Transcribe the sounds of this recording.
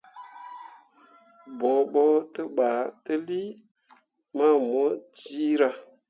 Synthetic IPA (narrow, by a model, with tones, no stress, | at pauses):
bo˨ɓo˦tə˦ɓa˨tə˦li˦ | ma˦mo˦t͡ʃi˦ɾa˧